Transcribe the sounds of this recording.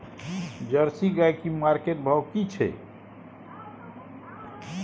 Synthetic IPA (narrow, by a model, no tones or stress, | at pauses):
d͡ʒəɾsiɡajkimaɾkeʈ̚bʱəwkit͡ʃʰɛ̰